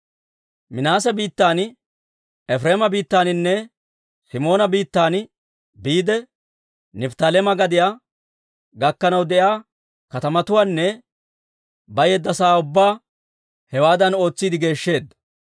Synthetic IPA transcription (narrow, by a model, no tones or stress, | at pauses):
mɪnaːsɛbiːt̪ːaːn | ɛfɾeːmɐbiːt̪ːaːnɪnːɛ | sɪmo̞ːnɐbiːt̪ːaːn | biːd̪ɛ | nɪbt̪ɐlɛmɐɡɐd̪ɪjaː | ɡɐkːɐnɐwd̪ɛʔjaː | kɐt̪ɐmɐt̪ʊwaːnːɛ | bɐjɛd̪ːɐsaːʊbːaː | hɛwaːd̪ɐno̞ːt͡sːiːd̪ɪɡe̞ːʃːe̞ːd̪ːɐ